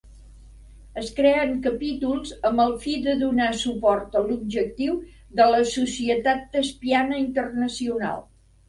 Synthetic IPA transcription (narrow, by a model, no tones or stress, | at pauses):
əskɾɛəŋkəpit̪ulˠzəmbəlˠfiðəðunasupɔrt̪əlub̚ʒək̚t̪iwðələsusiət̪at̪̚d̪əspianəint̪ərnəsiuna̰lˠ